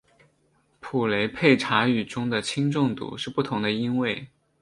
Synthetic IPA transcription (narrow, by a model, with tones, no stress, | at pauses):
pʰu˨˩le˧˥ɪpʰe˥˩ɪʈ͡ʂʰa˧˥y˨˩ʈ͡ʂʊ˥ŋd̪ə˨t͡ɕʰi˥ŋʈ͡ʂʊ˥˧ŋt̪ṵ˧˩˦ʂɻ̩˥˧pu˥˩t̪ʰʊ˧˥ŋd̪ə˧i˥nwe˥˩ɪ